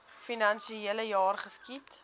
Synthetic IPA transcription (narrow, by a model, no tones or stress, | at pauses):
finɐnʃiiələjɑːrχəskit